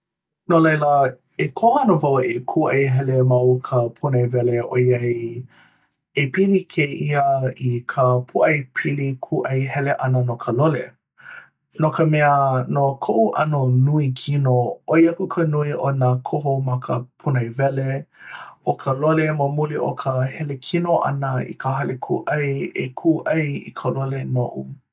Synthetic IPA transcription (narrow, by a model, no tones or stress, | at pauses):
nolejlə | ekʰohanovawʔekʰuʔɐjɦɛlemɐwkʰəpʰunɐjvɛleʔojɐi | epilikʰeʔiəikʰəpʰuʔɐjpʰilikʰuʔɐjhɛleʔɐnənokʰəlole | nokəmɛənokʰoʔuʔɐnonuikʰinooiɐkukʰənuiʔonəkʰoɦomɐkʰəpʰunɐjvɛle | ʔokʰəloleməmuliʔo̰kʰəhɛlekʰinoʔɐ̰nəḭkʰəɦɐlʔekʰuʔɐjḛkʰuʔɐjḭkʰəlolenoʔṵ